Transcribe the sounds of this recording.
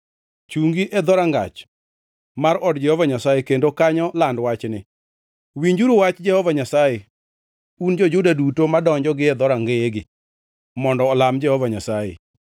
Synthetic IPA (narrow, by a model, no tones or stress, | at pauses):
t͡ʃuŋɡiʔɛd̪ɔɾaŋɡa̰t͡ʃ | maɾɔdd͡ʒɛhɔvaɲasajekendokaɲɔlandwat͡ʃnɪ | wiɲd͡ʒuɾuwat͡ʃd͡ʒɛhɔvaɲasaje | und͡ʒod͡ʒʊdadutomadɔɲd͡ʒɔɡɪɛd̪ɔɾaŋɡeeɡɪ | mɔndɔːlamd͡ʒɛhɔvaɲasajḛ